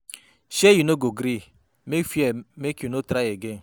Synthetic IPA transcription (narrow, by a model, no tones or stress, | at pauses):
ʃejinoɡoɡɾi | mefemekunotɾajeɡe